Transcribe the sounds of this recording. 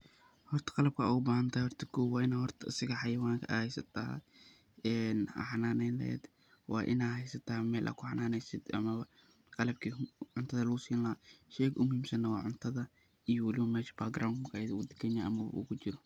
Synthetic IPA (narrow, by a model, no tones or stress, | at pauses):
hɔrt̪ʰɐ̥qɑlɐb̚kʰɐʊbaːhɐnt̪ʰaːhɔrt̪ʰɐkʰuwɑːɪnaːhɔrt̪ʰɐɪsɪɣɐħɑjɐwaːŋkʰɐʔɐ̰ːhɛjsɐt̪ʰa̰ | ɛːnɐ̰ħɑnaːnɛlɛ̰ɛ̰d̪ | wɑ̰ːʔɪ̰naːhɛjsɐt̪ʰaːmɛːlʔɐ̰ːkʰʊħɑnaːnɛjsɪd̪ɐ̰mɐβɐ | qɑlɐb̚kʰiːʕʊnt̪ʰɐðɐlʊʊsiːllɐʃɛːkʊmʊhiːmsɐnːɐwɑːʕʊnt̪ʰɐðɐ | ijɔwɐlɪwɐmɛːʃɐ̥bɐlɡrʔawnmkʰɐjðʊd̪ɐ̥kʰɛɲaːʔɐmɐwɐ̰ʔṵkʰʊt͡ʃɪɾɔ